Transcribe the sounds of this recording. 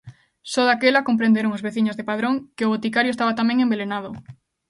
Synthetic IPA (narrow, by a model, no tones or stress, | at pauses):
sɔðakelakompɾẽnd̪eɾoŋozβeθiɲozðepaðɾoŋkɪʊβot̪ikaɾjoest̪aβat̪amẽŋẽmbelenaðʊ